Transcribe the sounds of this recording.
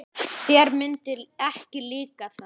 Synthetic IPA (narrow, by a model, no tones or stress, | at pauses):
θɛɾmɪnt̪ɪlɛhcɪliːkaθa